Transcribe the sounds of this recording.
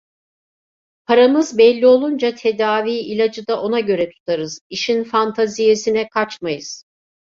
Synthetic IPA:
pʰaɾamɯzbɛlʲːio̞lˠund͡ʒat̪ʰe̞d̪aːviːilʲad͡ʒɯd̪aʔo̞naɟø̞ɾɛt̪ʰu̥t̪ʰaɾɯz̥iʃinfant̪ʰazije̞sinɛkʰat͡ʃmajɯz̥

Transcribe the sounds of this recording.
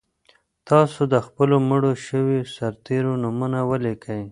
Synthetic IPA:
t̪ɑsod̪əxpəlomʊɽoʃəwesaɾt̪eɾonʊmunawəlikəj

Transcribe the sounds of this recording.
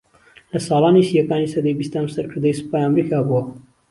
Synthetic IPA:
lɐsɑːlˠɑːniʃjɐkaːnisɐd̪ejbist̪aːmsɐɾkʰɨɾd̪ɐjsɨ̥paːjɐmɾikaːbuwɐ

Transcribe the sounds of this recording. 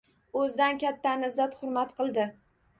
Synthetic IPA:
ɵzd̪ankʲat̪ʰːanɪzːat̪hʊɾmat̪qʰɨlˠd̪ɪ

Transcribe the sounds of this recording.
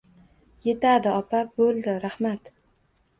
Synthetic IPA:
je̞t̪ad̪ɪɒpabolˠd̪ɪɾahmat̪

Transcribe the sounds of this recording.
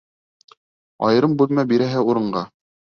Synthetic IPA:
ɑ̰jɤ̆ɾɤmbʉlˠmæbiɾæɦɘuɾɤ̆ɴɢɑ

